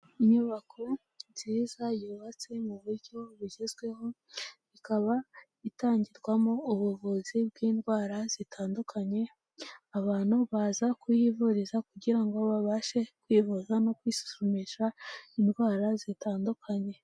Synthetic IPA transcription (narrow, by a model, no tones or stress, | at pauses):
iɲuβakʰo̞ | nz̥iːzajuːβat͡se̞muβuɾɟo̞βiɟezɡwe̞ho̞ | ikaβa | itaːɲɟiɾɡwamo̞uβuβuzibɡiːnɡwaːɾaz̥itʰaːndukʰaɲe̞ | aβaːn̥huβazakujivuɾizakuɟiɾaŋɡoβaβaʃe̞kwiːvuzano̞kwiːsu̥sumiʃainɡwaːɾazitaːndukʰaɲe̞